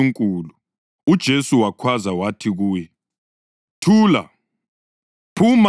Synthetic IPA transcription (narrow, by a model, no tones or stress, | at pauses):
uŋkʼuːlu | ud̥ʒ̥ʱesuwakʰwazawatʰiɣuːjɛ | tʰuːla̰ | pʰuma